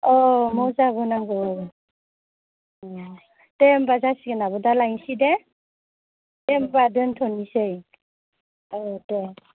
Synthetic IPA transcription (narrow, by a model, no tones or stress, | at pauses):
ɔmɔzabɔnaŋɡɯwabɔ | ɔ | tembazasiɡɯnabɔdalajŋsidɛ | tembadɯntʰɔnisɯj | ɔtem